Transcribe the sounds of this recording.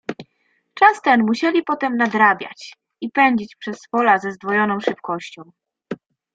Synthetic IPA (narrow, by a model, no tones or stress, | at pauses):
t͡ʂast̪ɛnmuɕɛlʲipɔt̪ɛmnad̪ɾabʲja̰t͡ɕ | ipɛɲd͡ʑit͡ɕpʂɛsfɔlazɛzd̪vɔjɔnɔ̃w̃ʂɘp̚kɔɕt͡ɕɔ̃w̃